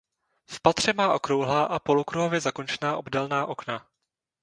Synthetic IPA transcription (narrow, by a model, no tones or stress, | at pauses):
fpat̪r̝̥ɛmaːʔo̞kɾowɦlaːʔapo̞lukɾuɦo̞vjɛzako̞nt͡ʃɛnaːʔobdɛlnaːʔo̞kna